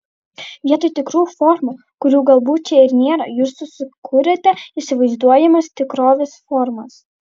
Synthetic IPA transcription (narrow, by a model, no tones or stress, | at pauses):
ʋʲiɛt̪oːjt̪ʲɪkɾuːfɔɾmu | kʊɾʲuːɡɐlˠbuːtt͡ʃʲɛɪɾnʲeːɾɐjuːsːʊsʲɪkʰʊɾʲɛt̪ʲɛisʲɪʋɐɪzd̪uɔjɛmɐst̪ʲɪkɾoːʋʲɛsfɔɾmɐs